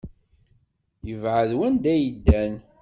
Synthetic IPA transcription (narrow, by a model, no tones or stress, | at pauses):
jəvʕəðwænd̪æjəd̪ːæn